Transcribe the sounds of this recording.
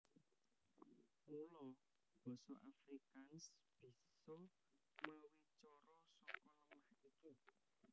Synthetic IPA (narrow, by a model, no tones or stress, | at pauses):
mulɔ | b̥ɔ̤sɔ̰ʔafɾikansb̥i̤sɔ | məwit͡ʃɔɾɔsɔkɔnəŋlahiki